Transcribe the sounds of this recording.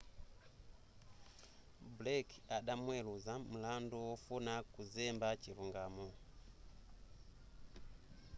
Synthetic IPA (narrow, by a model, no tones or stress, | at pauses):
blekaɗamweluzamulandowofunakuzembat͡ʃiɾuŋɡaːmo